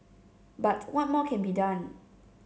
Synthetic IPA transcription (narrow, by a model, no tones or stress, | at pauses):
batwɔt̚mɔkʰɛ̃nbidãn